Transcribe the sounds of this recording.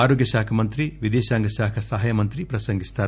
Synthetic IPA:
aːɾoːɡjɐʃaːkʰɐmɐnt̪ɾiʋid̪ɛːʃaːŋɡɐʃaːkʰɐsɐɦɐjɐmɐnt̪ɾipɾɐsɐŋɡist̪aː

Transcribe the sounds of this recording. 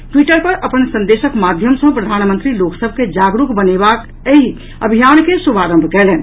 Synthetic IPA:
ʈwiʈəɾpəɾʔəpənsə̃nd̪esəkmad̪ʱjəmsə̃pɾəd̪ʱanmə̃nt̪ɾiloksəbʱked͡ʒaɡɾukbənebak | əɦi | əbʱijankesubʱaɾə̃mbʱkɛlɛn

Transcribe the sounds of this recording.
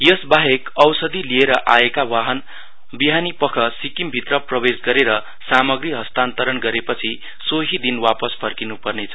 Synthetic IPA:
jʌsbaɦekʌwsʌd̪ilieɾʌʔaekawaɦʌn | biɦanipʌkʰʌsikimbʱit̪rʌprʌbesɡʌɾeɾʌ | samʌɡriɦʌst̪ant̪ʌɾʌnɡʌɾepʌt͡sʰi | soɦid̪inwapʌspʰʌrkinupʌrnet͡sʰʌ̥

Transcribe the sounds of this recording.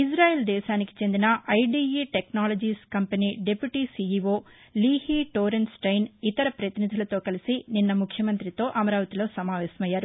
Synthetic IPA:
isɾaːjeːld̪ɛːʃaːniki̥t͡ʃe̞nd̪inɐɐjɖiːiːʈeknaːlod͡ʒiːskɐmpɐniːɖe̞pjuʈiːsiiʋoː | liːhiːʈoːɾensʈɐjnit̪ɐɾɐpɾɐt̪inid̪ʱulɐt̪o̞ːkɐlisininːɐmukʰjɐmɐnt̪ɾit̪o̞ːʔɐmɐɾaːʋɐt̪ilo̞ːsɐmaːʋɛːsɐmɐjːaːɾu

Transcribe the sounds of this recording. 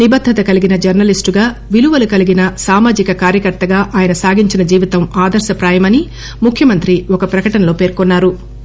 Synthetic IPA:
nibɐd̪ʱːɐt̪ɐkɐliɡinɐd͡ʒɐɾnɐlisʈuɡaːʋiluʋɐlukɐliɡinɐsaːmaːd͡ʒikɐkaːɾjɐkɐɾt̪ɐɡaːʔaːjɐnɐsaːɡiɲt͡ʃinɐd͡ʒiːʋit̪ɐmaːd̪ɐɾʃɐpɾaːjɐmɐni | mukʰjɐmɐnt̪ɾiɔkɐpɾɐkɐʈɐnɐlo̞ːpe̞ːɾkonːaːɾu

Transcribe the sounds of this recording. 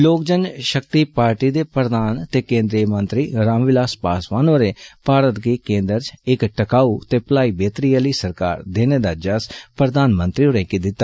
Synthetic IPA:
loːkd͡ʒənʃəkt̪iːpaːɾʈiːd̪eːpɾəd̪aːnt̪eːkẽːnd̪ɾiəmə̃nt̪ɾiːɾãːmʋɪlaːspaːsʋaːnʋəɾeːpaːɾət̪ɡiːkẽːnd̪əɾt͡ʃɪkʈəkaːuːt̪eːpəlaːiːbeːt̪ɾijaliːsəɾka̰ːɾd̪eːneːd̪aːd͡ʒəspɾəd̪aːnmə̃nt̪ɾiːoɾẽːkid̪ɪt̪ːaː

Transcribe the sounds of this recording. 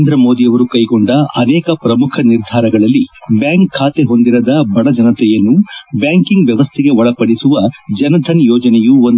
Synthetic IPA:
nd̪ɾɐmo̞ːd̪ijɐʋɐɾukɐjɡoɳɖɐɐnɛːkɐpɾɐmukʰɐniɾd̪ʱaːɾɐɡɐɭɐlːibjaːŋkʰːaːt̪eɦo̞nd̪iɾɐd̪ɐbɐɽɐd͡ʒɐnɐt̪ɛjɐnːubjaːŋkiŋɡʋjɐʋɐst̪ʰiɡe̞ɔɭɐpɐɽisuʋɐd͡ʒɐnɐd̪ʰʱɐnjɔːd͡ʒɐnɛjuon

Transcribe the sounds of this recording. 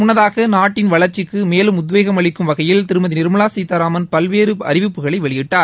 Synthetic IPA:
mʊnːɐðaːɣɐnaːʈːɪnʋɐɭɐɾt͡ʃːɪkːɯmeːlɯmʊðʋeːɣɐmɐɭɪkːɯmʋɐɣɐjɪlt̪ɪɾɯmɐðinɪɾmɐɭaːsiːt̪ɐːɾaːmɐnpɐlʋeːɾɯɐ̰ɾɪʋɪpːɯɣɐɭɐɪʋɛɭɪjɪʈːaːɾ

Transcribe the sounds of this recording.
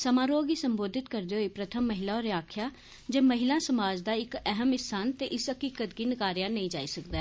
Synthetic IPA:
səmaːɾoːɡiːsəmboːd̪ʱɪt̪kəɾd̪eːɦoiːpɾət̪ʰəmːəɦɪlaːɔːɾjaːkʰjaː | d͡ʒeːməɦɪlãːsəmaːd͡ʒd̪aːɪkɛɦəmɪsaːnt̪eːʔɪsəkiːkət̪ɡiːnɪkaːɾjãːnəĩːd͡ʒaːiːsəkd̪ɛː

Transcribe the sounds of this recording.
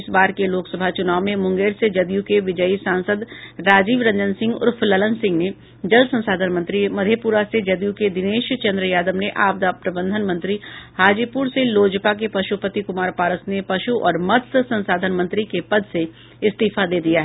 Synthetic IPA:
ɪsbaːɾkeloːksɐbʱat͡ʃʊnaːʋmẽmʊ̃ŋɡeːɾsed͡ʒɐd̪jũkeʋɪd͡ʒəisãːnsəd̪ɾaːd͡ʒiːʋɾɐ̃ɲd͡ʒənsɪ̃ŋɡʊ̰ɾfʰlɐlə̃nsɪ̃ŋɡne | d͡ʒɐlsɐ̃nsaːd̪ʱənmə̃nt̪ɾimɐd̪ʱepuːɾased͡ʒɐd̪jũked̪ɪneːʃt͡ʃɐ̃nd̪ɾəjaːd̪əmneʔaːp̚d̪apɾɐbə̃nd̪ʱənmɐ̃nt̪ɾihaːd͡ʒipuɾseloːd͡ʒpak̬epɐʃupət̪ikʊmaːɾpaːɾəsnepɐʃuʔɔːɾmɐt̪ʰssɐ̃nsaːd̪ʱənmɐ̃nt̪ɾikepɐd̪ʱse | ɪst̪iːfad̪eːd̪ijaɦɛ

